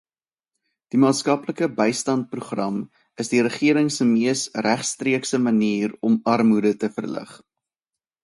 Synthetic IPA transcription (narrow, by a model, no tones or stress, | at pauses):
d̥imɑːtskɐpləkəbəjstɑnt̚pruχrɐm | əsdiɾəχiəɾəŋsəmiəsræχstriəksəməniːrɔmɐrmudətəfərlə̰χ